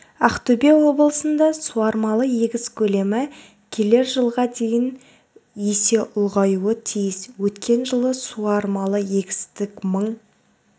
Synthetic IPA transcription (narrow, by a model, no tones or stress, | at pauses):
ɑqt̪ubewo̞bəlˠəsənd̪ɑsuɑɾmɑlˠəje̞ɡʲɪzkʲʰɵle̞mɪ | kʲʰe̞le̞ɾʒəlˠʁɑd̪e̞jɪn | jese̞ʔʊlˠʁɑjuət̪ʰijɪswɵt̪kʲe̞nʒəlˠəsuɑɾmɑlˠəje̞ɡʲɪ̥st̪ɪkməɴ